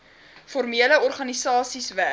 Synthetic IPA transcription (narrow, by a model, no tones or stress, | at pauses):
fɔrmiələɔrχɐnisɑːsisvæ